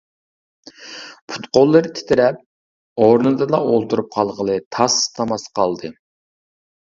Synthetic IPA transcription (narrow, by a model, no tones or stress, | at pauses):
pʰu̥t̪qolˠːɨɾɨt̪ʰɪ̥t̪ʰɪɾɛp̚ | oɾnɨd̪ɨlˠɑolˠt̪uɾup̚qʰɑlˠʁəlˠɨt̪ʰɑst̪ʰɑmɑsqʰɑlˠd̪ɨ